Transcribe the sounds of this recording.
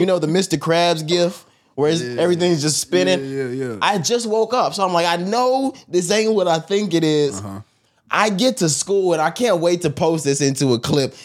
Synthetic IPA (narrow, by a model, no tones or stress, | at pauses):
jɨnoʊðɨmɪstə˞kʰɹ̥æbzɡɪft̚ | wə˞zɛvɹiθɪ̃ŋzd͡ʒʌstspɪ̃ñɪ̃ŋʔaɪd͡ʒʌst̚woʊkʌpsoʊãɪ̃mlaɪkaɪnoʊðɨs̬ẽɪ̃mwʌɾaɪθɪ̃ŋkɨɾɪz | ʔaɪɡɛtʰɨskulˠə̃naɪkʰæ̃nʔweɪtʰɨpʰoʊsðɪsɪ̃ntuəkʰl̥ɪp̚